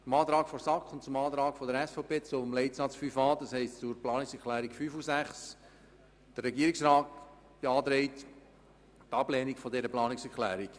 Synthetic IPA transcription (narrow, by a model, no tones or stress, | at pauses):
ʊmɑːt̪ɾɑːkfɔɾsɑkχʊntt͡sʊmɑːt̪ɾɑːkfɔdəɾɛsfɔpeːt͡sʊmlɛɪtsɑt͡sfyːfɑːd̥̪ɑshɛɪstt͡suɾplɑːnɪksɛkʰlæːɾikfyːfusæχs | d̥ərːɛɡiəɾiksɾɑːt | b̥ɑːt̪ɾɛɪt | tɑblɛːnikfɔdɛɾəplɑːnɪksɛɾklæːɾik